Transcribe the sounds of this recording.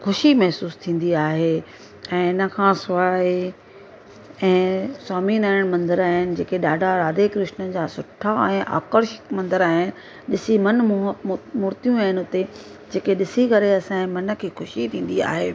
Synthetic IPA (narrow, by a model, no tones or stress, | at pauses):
xʊʃimɐɦsuːst̪ʰĩːn̆d̪iaːɦe | ɛ̃ːɪnə̆kʰãsʊaːe | ɛ̃ːswaːminaːɪɽ̃mɐ̃nd̪əɾaːɦɪnɪ̆d͡ʑeːkeɗaːɖʱaɾaːd̪ekɾɪʃnəd͡ʑaːsʊʈʰaɛ̃ːʔa̰ːkəɾʃɪ̥mɐ̃nd̪əɾaːɦɪnɪ̆ | ɗɪsimɐn | mʊːɾt̪ijũaːɦɪnɪʊt̪e | d͡ʑeːkeɗɪsikɐɾeɐsãmɐnə̆kʰeːxʊʃit̪ʰĩːn̆d̪ia̰ːɦeː